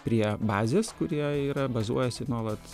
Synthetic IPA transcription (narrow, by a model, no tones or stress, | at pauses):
pʲɾʲiɛbɑːzʲeːskʊɾʲiɛiːɾɐbɐzṵɔjɛsʲɪnuɔlˠɐt̪